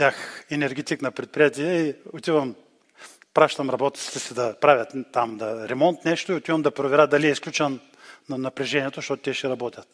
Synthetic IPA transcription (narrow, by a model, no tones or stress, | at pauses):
bʲjaxɛnɛɾɡʲɛt̪iknɐpɾɛt̪̚pɾʲijat̪iɛiot̪ivɐm | pɾaʃt̪ɐmɾɐbɔt̪ʲit̪si̥t̪ɛsid̪ɐpɾavʲɐt̪ːamd̪ɐɾɛmɔnt̪nɛʃt̪ʊiot̪ivɐmd̪ɐpɾovɛɾʲat̪̚d̪ɐliɛisklʲut͡ʃənː | ɐnɐpɾɛʒɛniɛt̪oʃt̪ɔt̪ʊ̥t̪ɛʃɛɾɐbɔt̪ʲɐt̪